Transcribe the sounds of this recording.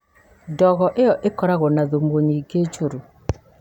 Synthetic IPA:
dɔɣɔʔeɔʔekɔɾaɣɔnaðomoɲiɡed͡ʒoɾu

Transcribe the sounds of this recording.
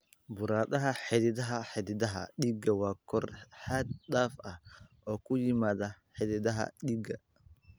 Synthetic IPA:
bʊɾaːdɐɦɐħɛd̪ɪdɐɦɐħɛd̪ɪdɐɦɐ̰ɗiɡɐwaːkʰɔrħad̪̚ɗ̪aːfʔɐhʔɔːkʰʊjɪmaːðɐħɛd̪ɪðɐɦɐ̰ɗiːɡɐ

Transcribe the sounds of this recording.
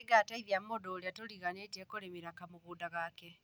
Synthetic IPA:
eɡataiðjammodoliatoliɣanet͡ʃekolemiɾakamuɣuːdaɣake

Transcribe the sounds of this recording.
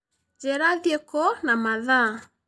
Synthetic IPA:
d͡ʒɛɾaðjekɔnamaða

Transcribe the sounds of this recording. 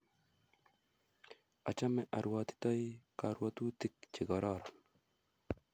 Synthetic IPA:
at͡ʃamɛʔaɾwat̪i̥t̪ɔjkaɾwat̪ut̪ik̚t͡ʃɪɡɔɾɔɾɔn

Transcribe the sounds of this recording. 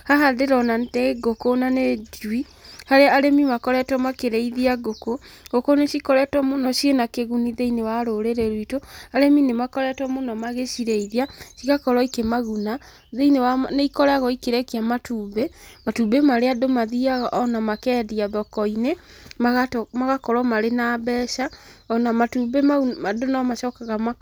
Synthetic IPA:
haɦadeɾɔnaeɡokonanedwi | haɾeaaɾemimakɔɾɛtwɔmakeɾeiðiaɡokoɡokoneʃikɔɾɛtwɔmonɔʃjenakeɣuniðeinewaɾoɾeɾeɾwitoaɾeminemakɔɾɛtwɔmonɔmaɣeʃiɾeiðiaʃiɣakɔɾɔikemaɣuna | ðeinewaneikɔɾaɣɔikeɾɛkeamatuːβematubemaɾeadomaðiaɣʔɔnamakɛːdiaðɔkɔine | maɣatmaɣakɔɾɔmaɾenaβɛʃaɔnamatubeadonamaʃɔkaɣama

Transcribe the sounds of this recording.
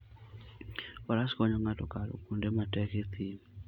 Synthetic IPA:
ɔɾaskɔɲɔŋatɔkalo̰kundɛmatɛket̪ʰi

